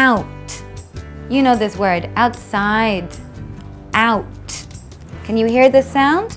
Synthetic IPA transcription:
aʊt | jɨnoʊðɪswɜ˞ɾaʊtsaɪd | ʔaʊt̚ | kʰɨ̃n̩jɨhiɹðɪsãʊ̃nd̥

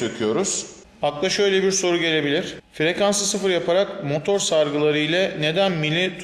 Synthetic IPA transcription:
ekʰijo̞ɾuz̥ | aklˠaʃø̞jlʲebiɾso̞ɾuɟe̞lʲe̞bilʲiɾ̥fiɾe̞kansɯsɯfɯɾjapʰaɾakmo̞t̪ʰo̞ɾsaɾɡɯlˠaɾɯjlʲɛne̞d̪ænmilʲːit̪ʰ

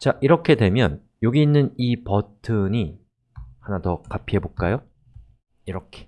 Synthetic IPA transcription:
t͡ɕaʔiɾʌkʰe̞dwe̞mjʌ̰n | joɡiːnːɯnipʌtʰɯɲi | hanatʌkapʰiɦe̞boɭk͈ajo | iɾʌkʰe̥

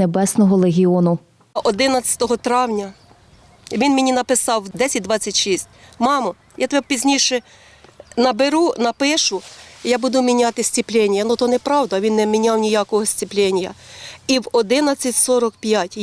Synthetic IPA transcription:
ebɛsnɔɦɔlˠeɦʲiɔnʊ | ʔɔd̪ɪnɐt͡sʲɐ̥t̪ɔɦɔt̪ɾɑwnʲɐ | ʋʲinmʲɪnʲinɐpɪsɑwd̪ɛsʲɐt̚ʲd̪ʋɑt͡sʲːɐtʲʃisʲtʲmɑmɔ | jat̪ɔbɛpʲizʲnʲiʃɛ | nɐbeɾunɐpɪʃʊjɑbud̪ʊmʲinʲɑt̪ɪsʲt͡sʲiplʲɛnʲjɐnut̪ɔnɛpɾɑwd̪ɐʋʲinːɛmʲinʲawnʲijakɔɦɔsʲt͡sʲiplʲɛnʲjɐiwɔd̪ɪnɐt͡sʲːɐtʲsɔɾɔkpʲjatʲ

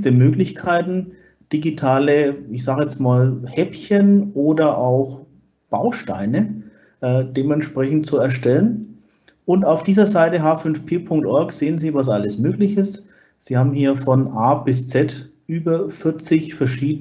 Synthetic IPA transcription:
təmøːklɪçkʰaɪtn̩ | d̥iɡitʰaːləɪçz̥aːɡjɛt͡smaːlhɛpçənʔoːdɐʔaʊx | b̥aʊʃta̰ɪnə | ʔɛd̥eːmɛntʃpʁ̥ɛçn̩t̚t͡suɛɐʃtɛlən | ʔʊntaʊfd̥iːzɐzaɪtəɦaːfʏnfpʰeːpʰʊŋk̚tʔɔɐkz̥eːənziːvas̬ʔaləsmøːklɪçɪst | z̥iːhaːbm̩hiːɐfɔnʔaːb̥ɪst͡sɛtʔyːbɐfɪɐt͡sɪçfɛɐʃiːdə

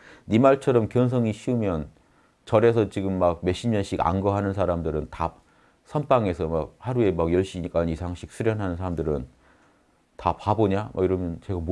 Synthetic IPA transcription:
nimaɭt͡ɕʰʌɾʌmkjʌns̬ʰʌŋiɕʰiumjʌn | t͡ɕʌɾe̞sʰʌt͡ɕiɡɯmːak̚me̞ɕ͈ʰimʌnɕ͈ʰiɡa̰nɡʌɦanɯns̬ʰaɾamdɯɾɯnta | sʰʌnp͈aŋe̞sʰʌmakhaɾue̞maɡjʌɭɕ͈iik͈anisʰaŋɕʰi̥k̚s͈ʰɯɾjʌnɦanɯnsʰaɾamdɯɾɯn | tapaboɲama̰iɾʌmjʌnt͡ɕe̞ɡam

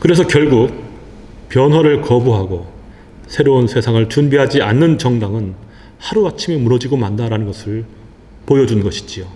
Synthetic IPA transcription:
kɯɾe̞sʰʌkjʌɭɡuk̚ | pjʌnɦwaɾɯɭkʌbuɦaɡo | sʰe̞ɾounsʰe̞sʰaŋɯɭt͡ɕunbiɦad͡ʑianːɯnt͡ɕʌŋdaŋɯn | haɾuat͡ɕʰimimuɾʌd͡ʑiɡomandaɾanɯnɡʌsʰɯɭ | pojʌd͡ʑunɡʌɕʰi̥d͡ʑio

